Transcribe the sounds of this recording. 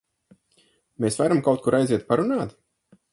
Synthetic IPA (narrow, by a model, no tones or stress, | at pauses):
meːsvaɾamkawt̪kuɾajziɛt̪̚paɾunaːt̪